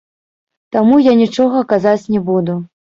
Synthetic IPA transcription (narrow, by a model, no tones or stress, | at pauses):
t̪amujanʲit͡ʂɔɣɐkazat͡sʲnʲɛbud̪u